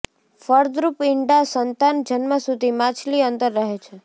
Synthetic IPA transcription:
fəɾd̪ɾupɪɳɖasənt̪and͡ʒənməsud̪ʱimat͡ʃʰliənt̪əɾːəɦet͡ʃʰe

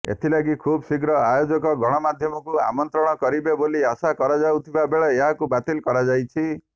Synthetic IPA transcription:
ḛt̪ʰilaɡikʰubsiɡɾɔajod͡ʒɔkɔɡʱɔɽ̃ɔmad̪ʱjɔmɔkua̰mɔnt̪ɾɔɽ̃ɔkɔɾibeboliasakɔɾad͡ʒawt̪ʰibabeɭeeɦakubat̪ilkɔɾad͡ʒajt͡ʃʰi

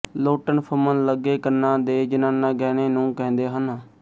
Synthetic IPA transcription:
loːʈənpʰəmənləɡːeːkəɾnãːd̪eːd͡ʒənãːnaːɡɛːneːnũːkɛ̃ːnd̪eːɦənaː

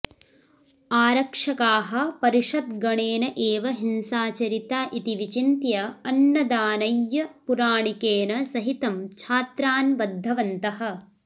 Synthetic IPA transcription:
aːɾɐkʂɐkaːɦɐ̆pɐɾiʂɐt̪ɡɐɳeːnɐʔeːʋɐɦinsaːt͡ʃɐɾit̪aːʔit̪iʋit͡ʃint̪jɐɐnːɐd̪aːnɐjːɐpuɾaːɳikeːnɐsɐɦit̪ɐmt͡ʃʰaːt̪ɾaːnʋɐd̪ʱːɐʋɐnt̪ɐɦɐ̆

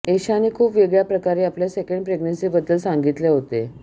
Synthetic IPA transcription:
eɕanekʰuːpʋeɡɭjapɾəkaɾeapljasekəɳɖ̚pɾeɡnənsiːbəd̪ːəlsaŋɡit̪leɦot̪e

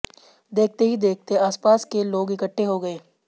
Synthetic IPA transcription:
d̪eːk̚ʰt̪eɦid̪eːk̚ʰt̪eaːspaːskeloːɡɪkəʈʰːeɦoɡɐeː

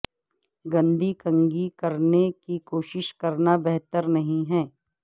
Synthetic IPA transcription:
ɡɐ̃nd̪ʱikɐ̃ŋɡikɐɾnekikoːʃɪʃkɐɾnabɛɦt̪əɾnɐɦĩɦɛ̃ː

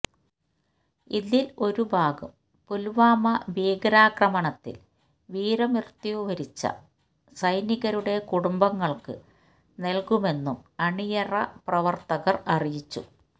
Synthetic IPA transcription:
iðilo̞ɾubʱaːɡɐm | pulʋaːmɐʋiːɡɐɾaːkrɐmɐɳɐt̪ːḭl | ʋiːɾɐmirt̪jiʋuʋɐɾit͡ɕːɐ̰ | sɐjniɣɐɾuɽe̞kuɽumbɐŋːɐɭkɨ̰ | nelkume̞nːumɐɳijɐrɐprɐʋɐrt̪ɐɣɐrɐrijit͡ɕːṵ

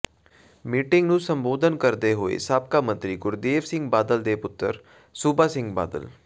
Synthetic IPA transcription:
miːʈɪŋɡnũːsəmboːd̪ənkəɾd̪eɦoːḛːsaːb̚kaːmə̃nt̪ɾiːɡʊɾd̪eːʋsɪ̃ŋɡbaːd̪əld̪eːpʊt̪ːəɾ | suːbaːsɪ̃ŋɡba̰ːd̪ə̰l

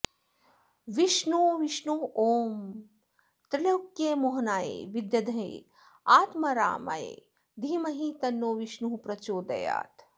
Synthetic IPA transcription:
ʋiʃnuʋiʃnuoːm | t̪ɾilɐwkjeːmoɦnaːjḛːʋid̪jɐd̪ʱɐɦḛː | aːt̪mɐɾa̰ːmɐ̰jḛː | d̪ʱimɐɦit̪ɐnːoːʋiʃnuɦupɾɐt͡ʃoːd̪ɐ̰ja̰ːt̪

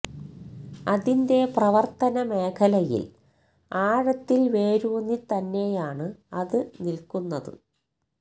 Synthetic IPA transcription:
ɐðinde̞prɐʋɐrt̪ɐnɐme̞ːkʰɐlɐjḭl | aːɻɐt̪ːilʋe̞ːɾuːnit̪ɐnːe̞jaːɳɨɐðɨnilkunːɐðɨ̰

